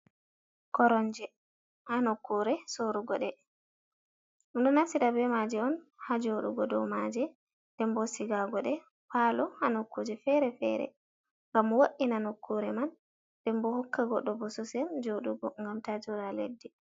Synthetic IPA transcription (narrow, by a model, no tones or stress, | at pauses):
kɔɾɔɲd͡ʒɛ | hanokːuɾɛsoɾuɡɔɗɛ | uɗɔnasiɗabɛmad͡ʒɛɔnhad͡ʒoɗṵɡɔdɔ̰wmad͡ʒɛ | d̥ɛmbɔsiɡaɡɔɗɛ | palɔhanokːud͡ʒɛfɛɾɛfɛ̰ɾɛ̰ | ŋɡamwoʔinanokʰːuɾɛman | d̥ɛmbɔhɔkːaɡɔɗːɔbɔsɔsɛnd͡ʒoɗuɡɔŋɡamtad͡ʒɔɾalḛdːi